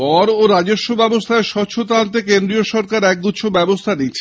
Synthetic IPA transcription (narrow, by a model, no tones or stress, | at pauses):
pɔɾoɾad͡ʑoʃːobɛbost̪ʰaeɾʃɔɕʰot̪ant̪̬ekend̪ɾioʃɔɾkaɾɛk̚d̪utːɕʰobɛbost̪ʰanit͡ɕʰe